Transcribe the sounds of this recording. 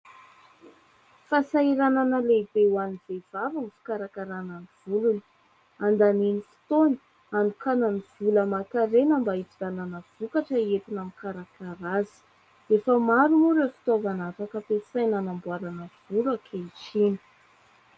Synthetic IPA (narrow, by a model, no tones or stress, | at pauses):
fasaiɾananəleibewanivev̥avanifi̥kaɾakaɾananiv̥uluni̥ | and̪aninifi̥t̪oni̥ | anukananiv̥uləmakaɾenəmbaifizananəv̥ukaʈ͡ʂəet̪inamikaɾakaɾazi̥ | efəmaɾumuɾefi̥t̪ovanatakəpesajnanambuaɾanəv̥ulakʰet͡ʃini̥